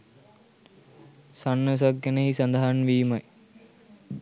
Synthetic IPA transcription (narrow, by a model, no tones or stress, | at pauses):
sɐnːɨs̬ɐkːɐnɐisɐnd̪ʱaːnʋiːmɐj